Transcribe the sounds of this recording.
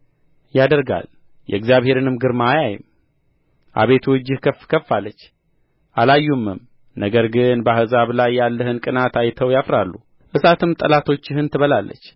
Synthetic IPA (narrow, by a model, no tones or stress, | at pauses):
jad̪əɾɡa̰l | jɛ̰ɡzijaβhe̞ɾɨnɨmɡɨɾmajajɪ̰m | ʔa̰βe̞t̪ʰuɨd͡ʒːɪhkʰəfkʰəfːalːət͡ʃː | ʔalajːumːɨm | nəɡəɾɡɨnbahɨzaβlajːalːəhɨnkʼɨnat̪ajt̪ʰəwjafɾalːu | ʔɨsat̪ʰɨmt̪ʼəlat̪ʰo̞t͡ʃːɪhɨnt̪ʰɨβəlalːə̰t͡ʃː